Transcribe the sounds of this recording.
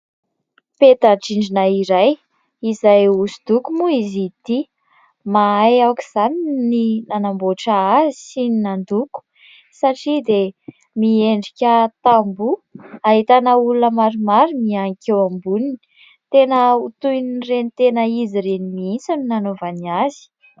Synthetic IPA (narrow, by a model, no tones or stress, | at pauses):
pet̪aʈ͡ʂiɳɖ͡ʐinaiɾaj | izajusud̪ukumuizit̪i | maajawkiz̥anininanamboʈ͡ʂaazi̥sininand̪uku̥ | saʈ͡ʂid̪e | mieɳɖ͡ʐikʲət̪ambuaɦit̪anaulunəmaɾumaɾumiaŋikʲewambunini | t̪enəut̪ujnirenit̪enəiziɾenimiint͡suninanovaniazi̥